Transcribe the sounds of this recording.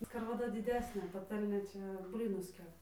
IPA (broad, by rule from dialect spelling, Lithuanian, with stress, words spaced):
skɐrʋɐˈdɐ dʲɪˈdʲæːsʲnʲeː pɐˈtɐlʲnʲeː ˈt͡ʃʲɛ ˈbʲlʲiːnʊs ˈkʲæːpɐ